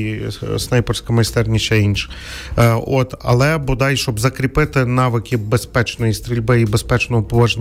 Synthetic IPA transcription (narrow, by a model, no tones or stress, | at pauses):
snɑjpɔrsʲkɐmɐjst̪ɛrnʲiʃɛinʃɪ̥ | ot̪ɐ̰lˠɛbʊd̪ɑjʃt͡ʃɔbzɐkɾʲipɪt̪ɪnɑʋɪkʲɪbespɛt͡ʃnɔjist̪ɾʲilʲbɪibespɛt͡ʃnɔɦɔpɔʋɐʒnʲ